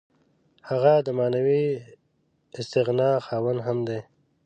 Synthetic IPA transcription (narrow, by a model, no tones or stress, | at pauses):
haɣad̪əmɑːnawi | ɪst̪ɪɣnɑːxɑːwanɦamd̪e